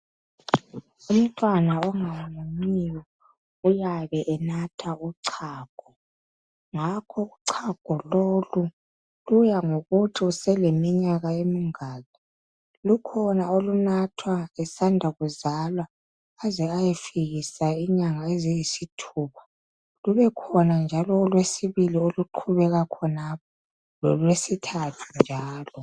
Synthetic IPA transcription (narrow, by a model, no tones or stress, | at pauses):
um̩tʼwanaɔŋawmuɲijɔ | ujaβɛʔɛnatʰauǀʰaːɡ̥ʱɔ | ŋakʰɔuǀʰaɡ̥ʱɔlolu | lujaŋoɣutʰiusɛlemiɲaɣaemiŋaːli | lukʰɔnaolunatʰwaɛsandʱaɣuzalwaː | zɛajefiɣisaiɲaŋaezijisitʰuːpʰḁ | luβɛkʰɔnand͡ʒʱalɔːlwesiβilioluǃʰuβɛɣakʰɔnap̚ʰɔ | lɔlwesitʰatʰund͡ʒʱaːlɔ